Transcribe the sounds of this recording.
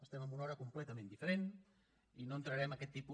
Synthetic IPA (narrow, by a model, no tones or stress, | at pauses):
əst̪ɛməmbunɔɾəkumplɛt̪əmẽnd̪ifəɾen | inoənt̪ɾəɾɛmɐkɛt̪ːipu